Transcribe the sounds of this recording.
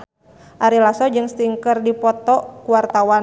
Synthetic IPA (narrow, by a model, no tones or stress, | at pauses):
ʔaɾilasɔd͡ʒɨŋst̪iŋkərdipɔt̪ɔkuwart̪awa